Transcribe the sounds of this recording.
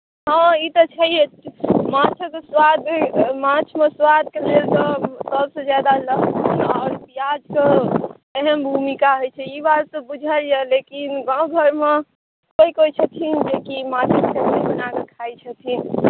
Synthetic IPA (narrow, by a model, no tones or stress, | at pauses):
ɦə̃it̪ɔt͡ʃʰɛjemãt͡ʃʰəkeswad̪mãt͡ʃʰmeswad̪̚kelelt̪ɔt̪əlsẽd͡ʒjad̪aləɦt̪ʰinɔːɾpijad͡ʒke | ɛɦəmbʱumikaɦojt͡ʃʰɛibaɾsəbud͡ʒʱəljəlekinɡãũɡʱəɾme | koikoit͡ʃʰət̪ʰind͡ʒekimãt͡ʃʰəksemeibənakekʰajt͡ʃʰət̪ʰin